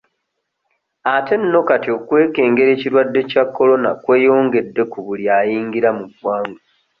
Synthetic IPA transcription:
ate̞nːo̞katio̞kwe̞ːke̞ːŋɡe̞ɾe̞ːciɾwadːe̞cakːo̞lo̞na̰kwe̞ːjo̞ːŋɡe̞dːe̞kuβuljajiːŋɡiɾamubwaːŋɡo

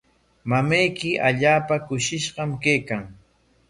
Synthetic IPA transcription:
mamajkɪʔaʎaːpakʊʃɪʃɢɑmkejkaŋ

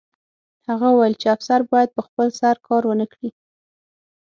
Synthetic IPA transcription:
haɣawajəlt͡ʃeafsaɾbɑjad̪̚pəxpəlsaɾkʰɑɾwənəkɽi

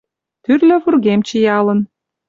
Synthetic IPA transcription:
t̪yrlø̆βurɣemt͡ɕə̆jɑlə̆n

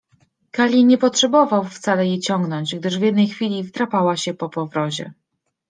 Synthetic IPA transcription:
kalʲiɲɛpɔtʂɛbɔvawft̪salɛjet͡ɕɔŋɡnɔɲd͡ʑɡd̪ɘʐvʲjɛd̪nɛjxfʲilʲivt̪ɾapawaɕɛpɔpɔvɾɔʑɛ̰

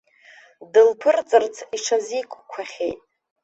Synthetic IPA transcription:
dɨlpʰɨrt͡sʼɨrt͡sʰiʈ͡ʂʰazikʷʰʼkʷʰaχʲḛjtʼ

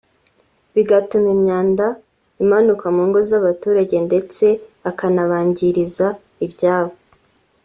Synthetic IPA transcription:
βiɡatumimɲaːnda | imanukamuːŋɡo̞zaβatuːɾaɟe̞nde̞t͡se̞akanaβaːɲɟiɾiza | ibɟaːβo

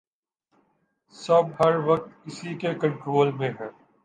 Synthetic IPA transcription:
sɐbɦɐɾʋɐk̚t̪ɪsikekɐ̃ɳʈɾoːlmẽɦɛː

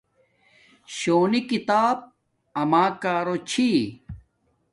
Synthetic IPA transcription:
ɕoːnikit̪aːb̚ | ɐmaːkaːɾot͡ɕʰi

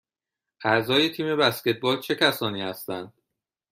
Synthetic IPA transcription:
ʔæʔzɒːje̞t̪ʰiːme̞bæscʲe̞t̪̚ʰbɒːlt͡ʃʰe̞cʰæsɒːniːhæst̪ænd̪̥

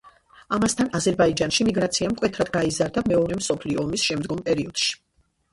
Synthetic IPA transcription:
amast̪ʰanazɛɾbaid͡ʒanʃimiɡɾat̪sʰiamkʼwɛt̪ʰɾad̪ɡaizaɾd̪amɛɔɾɛmsɔpʰliɔːmisʃɛmd̪ɡɔmpʼɛɾiɔd̪̥ʃi̥

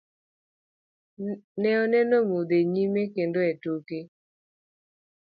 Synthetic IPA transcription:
nɛɔnɛnɔmod̪eɲimekendoɛtoke

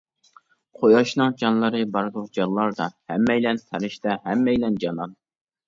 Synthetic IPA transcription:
qʰojɑʃnɨŋd͡ʒɑnlˠɨɾɨbɑɾd̪ʊqd͡ʒɑnlˠɑɾd̪ɑhɛmːɛjlɛnt̪ʰæɾɪʃt̪ɛhɛmːɛjlɛnd͡ʒɑnɑn

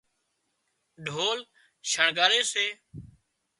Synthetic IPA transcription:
ɖʱoːl | ʃʰəɳɡaːɾeːseː

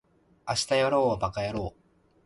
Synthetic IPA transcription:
aɕi̥t̪ajoɾoːobakajaɾoː

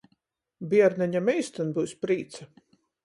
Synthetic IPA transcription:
biɛɾnɛɲamɛjst̪anbuwsʲpɾiːt̪sa

